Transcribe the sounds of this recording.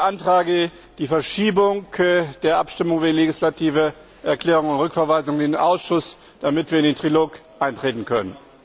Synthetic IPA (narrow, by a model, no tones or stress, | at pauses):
ʔantʁ̥aːɡə | d̥iːfɛɐʃiːbʊŋd̥eːɐʔapʃtɪmʊŋvileɡɪslatʰiːvə | ʔɛɐkl̥ɛːʁ̞ʊŋʊntʁʏkfɛɐvaɪzʊŋndeːnʔaʊsʃʊs | d̥amɪtv̥iːɐɪndeːntʁ̥iloːkʔaɪntʁ̥eːtn̩kʰœnən